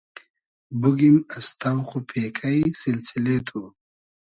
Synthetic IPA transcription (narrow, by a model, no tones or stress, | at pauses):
buɡimɐst̪awχupʰeːkʰajsilsilet̪ʰu